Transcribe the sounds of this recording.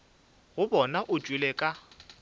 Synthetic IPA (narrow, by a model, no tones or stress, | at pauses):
ɣʊbɔnaʔʊ̥t͡ʃʼwilɛkʼa